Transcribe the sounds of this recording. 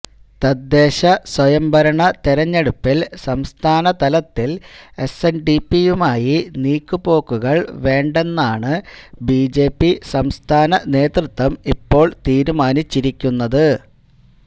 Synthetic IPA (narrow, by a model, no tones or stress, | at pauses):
t̪ɐd̪ːe̞ːɕɐswɐjɐmbʱɐɾɐɳɐt̪iɾɐɲːe̞ɽupːilsɐmst̪ʰaːnɐt̪ɐlɐt̪ːile̞senɖipːijumaːjiniːkːupo̞ːkːuɣɐɭʋe̞ːɳɖe̞nːaːɳɨbiːd͡ʑe̞ːpːisɐmst̪ʰaːnɐne̞ːt̪rɨt̪ːʋɐmipːo̞ːɭt̪iːɾumaːnit͡ɕːiɾikʲːunːɐðɨ